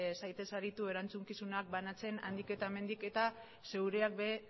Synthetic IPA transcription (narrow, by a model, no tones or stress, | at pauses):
sajt̪e̞saɾit̪ue̞ɾant͡suŋkisunak̚banat͡se̞na̰nd̪ike̞t̪ame̞nd̪ike̞t̪a | se̞wɾeak̚be̞